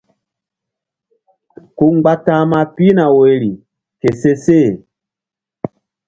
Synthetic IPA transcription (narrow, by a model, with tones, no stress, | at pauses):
ku˦ŋ͡mɡ͡ba˦tã˦ma˦pi˦na˨we˨li˨ | ke˨se˦se˦˨